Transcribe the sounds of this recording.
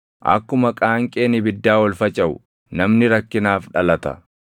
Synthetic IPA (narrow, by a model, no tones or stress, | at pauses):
ʔɐ̰kːʊmɐkʼaːŋkʼe̞ːnɪbɪd̪ːaːwɐlfɐt͡ʃʼɐʔʊ̰ | nɐmnɪɾɐkːɪnaːfᶑɐlɐt̪ɐ̰